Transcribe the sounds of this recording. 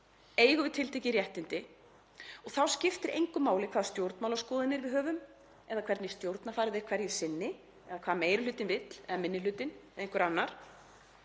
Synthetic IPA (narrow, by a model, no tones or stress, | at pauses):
eːjɣʏvɪðt̪ʰɪlt̪ʰehcɪrjɛht̪ɪnt̪ɪ | ɔɣθawscɪft̪ɪɾʔejŋkʏmːaːwlɪkʰvaːðst̪jowɾt̪nmawlawskɔːðɪnɪɾvɪðɦœːvʏm | ɛðakʰvɛɾt̪nɪst̪jowɾt̪nafaːɾɪðɛɾ̥kʰvɛɾjɛsɪnːɪ | ɛðakʰvaːðmeːjɾʏʏːt̪ɪnvɪt̪l̥ɛðamɪnːɪlʏːt̪ɪnðẽjŋkʏɾanːaɾ̥